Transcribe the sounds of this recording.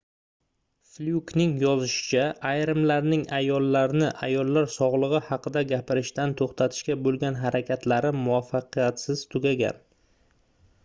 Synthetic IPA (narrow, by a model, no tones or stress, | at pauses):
fljuknɪŋjɒzɪʃɪ̥t͡ʃʰaʔːjɾɪmlaɾnɪŋajɒlˠːaɾnɪʔa̰jɒlˠːaɾsɒʁlˠɨʁɨhɑqʰɨd̪aɡʲapʰɪɾɪʃt̪ant̪ʰoχt̪ʰat̪ʰɪ̥ʃkʲabolˠɡʲanɦaɾakʲat̪ʰlaɾɪmʊvafːɑqɨjat̪sɪz̥t̪ʰʊɡʲaɡʲa̰n